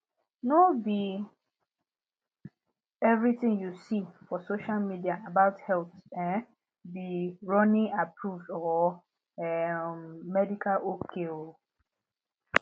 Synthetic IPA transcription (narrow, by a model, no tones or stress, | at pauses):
nobi | ɛvɹitɪ̃ŋjusifɔsoʃalmidiaabaʊthɛlθɛ̃n | biɹɔnĩapʰɹuvdɔ | ɛ | mɛdikʰalokʰeo